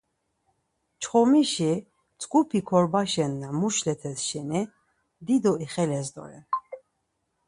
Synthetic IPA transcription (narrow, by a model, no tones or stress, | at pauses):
t͡ʃʰχɔmiʃi | t͡sʼkʼupʰikʰɔɾbaʃɛnːamuʃlɛt̪ʰɛsʃɛnɛ | d̪id̪ɔiχɛlɛzd̪ɔ̰ɾɛ̰